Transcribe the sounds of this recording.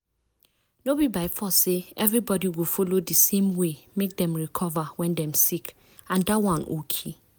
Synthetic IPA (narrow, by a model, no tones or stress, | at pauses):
nobibaɪfɔseɛvɹibɔdiwofolodəsẽmwemek̚dɛ̃mɹikʰɔvawɛ̃ndɛ̃msik | ãndawãnʔo̰kʰe